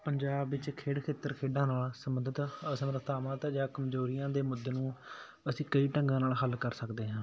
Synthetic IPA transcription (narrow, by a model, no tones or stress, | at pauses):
pəɲd͡ʒaːbʋɪt͡ʃkʰeːɽkʰeːt̪əɾkʰeːɖãːnaːlsəməd̪ət̪əsəmɾəkʰt̪ʰaːʋãːt̪ːd͡ʒaːkəmzoːɾɪjãːd̪eːmʊd̪ːeːnũː | əsĩːkəiːʈəŋɡãːnaːlɦəlkəɾsəkd̪eːɦãː